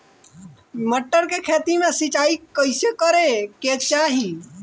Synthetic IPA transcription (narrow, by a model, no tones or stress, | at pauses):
məʈːəɾkeːkʰeːt̪iːmẽsɪt͡ʃaːikəɪseːkəɾeːkeːt͡ʃaːɦĩː